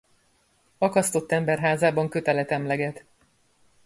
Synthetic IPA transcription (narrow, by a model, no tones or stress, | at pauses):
ɒkɒst̪o̞t̪ːɛmbɛrɦaːzaːbɒŋkø̞t̪ɛlɛt̪ɛmlɛɡɛt̪